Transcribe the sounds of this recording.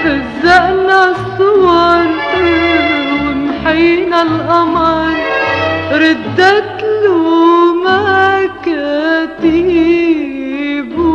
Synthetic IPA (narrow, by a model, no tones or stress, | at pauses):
fazːaʔnasˤːʊwɑɾˤ | wɪnħajnalʔaman | ɾɪd̪ːat̪lumakat̪i | b